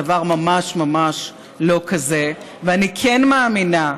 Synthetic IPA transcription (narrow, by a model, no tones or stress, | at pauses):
avaʁmamaʃmamaʃ | lo̞kʰaze | veanikʰenmaːmina